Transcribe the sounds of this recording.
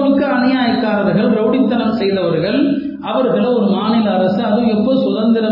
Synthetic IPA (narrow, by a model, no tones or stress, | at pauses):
ɯkːɯɐnɪjaːjɐkːaːɾɐʋɐɾɣɐɭɾoːɽɪt̪ːɐnɐmsɛjðɐʋɐɾɣɐɭ | ɐʋɐɾɣɐɭɐɔɾɯmaːnɪlɐɐɾɐsɯɐðɯɛpːɔɯsʊðɐnd̪ɪɾɐ